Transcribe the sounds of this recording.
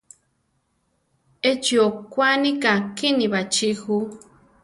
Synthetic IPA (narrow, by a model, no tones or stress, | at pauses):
et͡ʃiokʷanĩkakinĩβat͡ʃixu